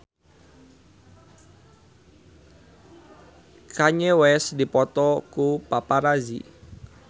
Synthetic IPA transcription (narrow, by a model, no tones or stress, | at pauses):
kaɲewɛsdipɔt̪ɔkupapaɾazḭ